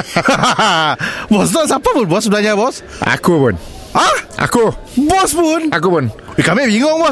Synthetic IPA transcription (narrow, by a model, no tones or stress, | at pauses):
bɔsnɔtsapapunbɔsblaɲabɔs | a̰kupun | aa̰kubɔspunakupun | wikameʔbiŋɔŋbɔ